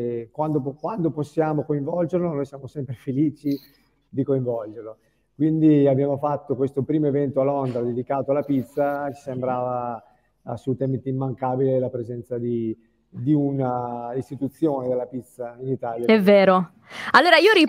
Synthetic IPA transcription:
kwand̪okwand̪oposːjaːmokoiɱvɔld͡ʒerlonoːjsjaːmosɛmpɾefeliːt͡ʃi | d̪ikoiɱvɔld͡ʒerlo | kwind̪iabjaːmofat̪ːokwest̪opɾiːmoevɛnt̪oalːond̪ɾad̪ed̪ikaːt̪oalːapit̪sːat͡ʃi̥sembɾaːva | sut̪ɛmit̪imːaŋkaːbilelapɾezɛnt̪sad̪i | d̪iunaist̪it̪ut̪sːjoːned̪elːapit̪sːainit̪aːljaɛveːɾo | alːoːɾaiːoɾi

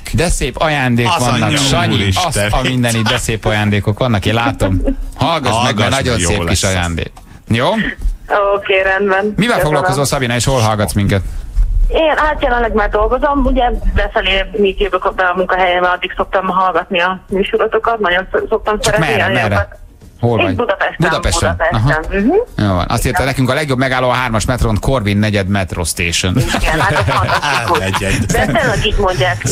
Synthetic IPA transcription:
d̪ɛseːpɒjaːnd̪eːkʋɒnːɒʃɒɲːiɒsɒmind̪ɛnid̪ɛseːpɒjaːnd̪eːko̞kʋɒnːɒkeːnlaːt̪omhɒlɡɒsmɛɡɛnɒɟonjseːiʃɒjaːnd̪ḛːk | joːokeːɾɛnd̪bɛnmivɛlfoɡlɒlkozoːsɒbinɒeːʃholɦɒlɡɒt̪smiŋkɛt̪ | eːnaːt̪jɛlɛnlɛɡmaːrd̪o̞lɡo̞zo̞muɟɛbɛfɛleːmiːt̪joɡokɔbːɛɒmuŋkɒɦɛjɛbɛɒd̪ːikso̞k̚t̪ɒmɦɒlɡɒt̪niɒmyːʃuɾot̪o̞kɒt̪nɒɟonsso̞k̚t̪ɒmst͡ʃɒɾɛtkmɛimːrɾɛt̪ | holiɟbud̪ɒpɛʃtbud̪ɒpɛʃuɛpɛʃɒɦɛm̩ɦ̩joːvɒ̰nɒ̰st̪iːrt̪ɛnɛkyŋkɒlɛɡjo̞bmɛɡaːlːoːɒɦaːrmɒʃmɛt̪ront̪kʰorvinːɛɟɛd̪mɛt̪rost̪eːʃoniɡɛnat̪onɛɛd̪bɛt̪øɾlɛɡiːɟmo̞ɲɟaːk

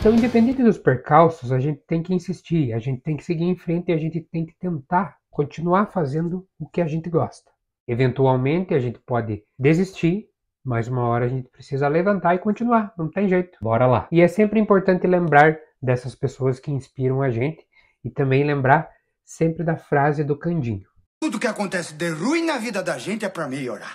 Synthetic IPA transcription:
t̪ɐ̃w̃ĩnd̪epẽnd̪ẽnt̪ɪd̪ʊspeɾkawsʊzaʒẽnt̪ɪ̥t̪ẽj̃kɪĩsist͡ʃiɾaʒẽnt̪ɪ̥t̪ẽj̃kɪ̥seɡiɾẽj̃fɾẽnt̪ɪaʒẽnt̪ɪt̪ẽj̃kɪ̥t̪ẽnt̪aɾ | kõnt͡ʃinuaɾfazẽnd̪ʊʊkɪaʒẽnt̪ɪɡɔst̪ɐ̥ | evẽnt̪uawmẽnt̪ɪaʒẽnt̪ɪ̥pɔd̪ɪd̪ezist͡ʃiɾ | majzũmɐɔɾɐːʒẽnt̪ɪ̥pɾesizɐlevɐ̃nt̪aɾɪkõnt͡ʃ̪inuaɾnɐ̃w̃t̪ẽj̃ʒejt̪ʊ̥bɔɾɐla̰ɪɛsẽmpɾɪĩmpoɾt̪ɐ̃nt̪ɪlẽmbɾaɾd̪ɛsɐspesoɐskɪĩspiɾɐ̃w̃aʒẽnt̪ɪ̥ | ɪt̪ɐ̃mbẽj̃lẽmbɾaɾ | sẽmpɾɪd̪ɐfɾazɪd̪ʊkɐ̃nd͡ʒĩɲʊ | t̪ud̪ʊkɪakõnt̪ɛsɪd̪eʁuĩnɐvid̪ɐd̪ɐʒẽnt̪ɪɛpɾɐmeʎoɾa̰ɾ

